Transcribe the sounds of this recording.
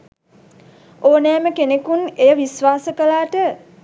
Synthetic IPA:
oːnɛːməkenekunejəʋisʋaːsəkəlaːʈə

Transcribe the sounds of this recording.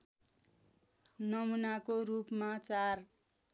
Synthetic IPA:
nʌmunakoɾupmat͡sar

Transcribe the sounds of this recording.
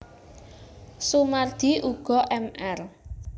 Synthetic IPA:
sumard̪̥i̤ʔuɡ̥ɔ̤ʔɛmʔɛr

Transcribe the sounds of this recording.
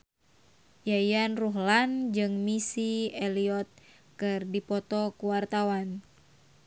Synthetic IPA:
jajanruɦland͡ʒɨŋmisiɛliɔt̪̚ | kɨrdipɔt̪ɔkuwart̪awan

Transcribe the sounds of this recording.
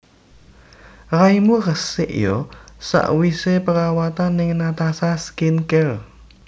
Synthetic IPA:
raimurəsɪʔjɔsa̰ʔwisepəɾawat̪anɪŋnat̪asaskinkɛl

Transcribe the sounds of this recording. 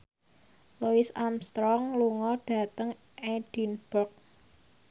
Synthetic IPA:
luɪsamst̪ɾɔŋluŋɔɖ̥a̤t̪əŋ | eɖ̥inb̥ɔk̚

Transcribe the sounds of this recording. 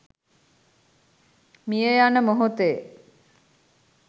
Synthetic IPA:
mijejanəmoɦot̪eː

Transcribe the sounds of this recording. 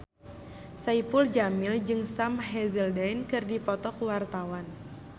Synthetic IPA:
saipuld͡ʒamɪld͡ʒɨŋsamɦɛzəldajnkɨrdipɔt̪ɔkuwart̪awan

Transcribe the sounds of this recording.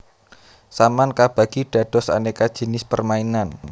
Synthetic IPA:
samankab̥a̤ɡ̥iɖ̥a̤d̥ɔ̤sa̰nekad̥ʒ̥ə̤nɪspərmainan

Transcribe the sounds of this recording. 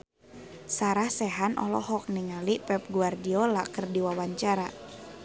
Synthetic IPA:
saɾahsɛɦanʔɔ̰lɔ̰ɦɔk̚niŋalipɛp̚ɡuardiɔlakərdiwawaɲt͡ʃaɾa

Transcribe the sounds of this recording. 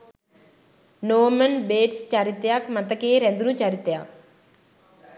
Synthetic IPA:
noːmənbeːʈst͡ʃaːɾit̪jakmət̪əkeɾẽnd̪unũːt͡ʃaɾit̪jaː

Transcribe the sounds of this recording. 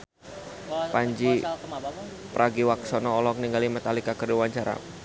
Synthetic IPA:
paɲd͡ʒi | pəɾʔaɡiwaksɔnɔːlɔk̚niŋɡalimat̪alikakərduwaɲt͡ʃaɾa̰

